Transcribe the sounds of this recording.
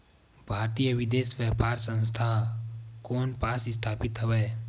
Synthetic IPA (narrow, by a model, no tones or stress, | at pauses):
bʱaːɾt̪ijəʋɪd̪eːsʋjəːpaːɾsə̃nst̪ʰa | koːnpaːsɪst̪ʰaːpɪt̪ɦəweː